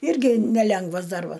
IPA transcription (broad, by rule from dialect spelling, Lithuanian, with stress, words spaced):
ˈɪrʲɡʲɪ nʲɛˈlʲɛŋɡʋɐs ˈdɐrbɐs